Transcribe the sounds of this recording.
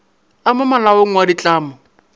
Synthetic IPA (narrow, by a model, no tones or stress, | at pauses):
amʊmalaoŋ̩wadit͡ɬʼaːmʊ